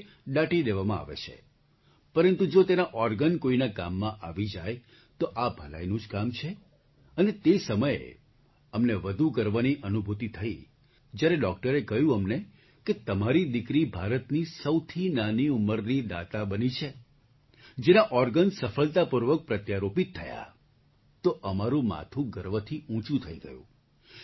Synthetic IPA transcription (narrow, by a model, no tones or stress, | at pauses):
ɗaʈid̪eʋamãa̰ʋḛt͡ʃʰḛ | pəɾənt̪ud͡ʒot̪enaʔɔɾɡənkoinaka̰mːãʔaʋid͡ʒa̰j | t̪oʔabʱəla̰jnũd͡ʒkamt͡ʃʰe | ənet̪esəməjḛ | əmneʋəd̪ʱukəɾʋaniʔənubʱut̪it̪ʰəi | d͡ʒjaɾeɖɔk̚ʈəɾekəɦjũəmne | ket̪əmaɾid̪ɪkɾibʱaɾət̪nisəwt̪ʰinaniuməɾnid̪a̰t̪abənit͡ʃʰe | d͡ʒenaʔɔɾɡənsəfəɭt̪apuɾʋək̚pɾət̪jaɾopit̪ʰːəja̰ | t̪oʔəmaɾũma̰t̪ʰũɡəɾʋət̪ʰiũt͡ʃũt̪ʰəiɡə̰jṵ̃